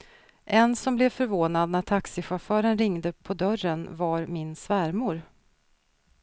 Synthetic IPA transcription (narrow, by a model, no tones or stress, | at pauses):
ʔɛnsɔmblɛvfœɾvoːnad̪̚næʈʰaksɪɧafœːɾənɾɪŋd̪əpʰɔd̪œrənvaɾmɪnsvæɾmʊɾ